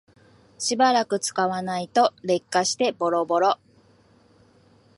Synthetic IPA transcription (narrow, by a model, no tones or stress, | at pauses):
ɕibaɾakɯ̟t͡sɨ̥kaβanait̪o̞ɾe̞kːaɕi̥t̪e̞bo̞ɾobo̞ɾo̞